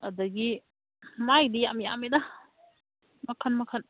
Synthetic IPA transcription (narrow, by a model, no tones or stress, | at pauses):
ɐdɐɡi | majdijamja̰meda | mɐkʰɐnmɐkʰɐn